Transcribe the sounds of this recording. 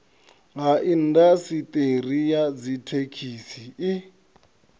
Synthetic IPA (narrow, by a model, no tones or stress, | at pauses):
ŋaʔin̩dasitʼer̤ijad͡zitʰekʰiːsii